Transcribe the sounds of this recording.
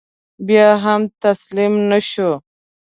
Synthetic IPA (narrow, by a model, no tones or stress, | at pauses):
bjaːɦamt̪aslimnaʃo